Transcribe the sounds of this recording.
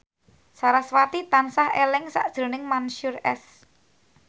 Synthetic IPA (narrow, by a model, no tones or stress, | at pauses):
saɾaswat̪it̪ansahelɪŋsa̰ʔd̥ʒ̥ɾo̤nɪŋmanʃurɛ̰s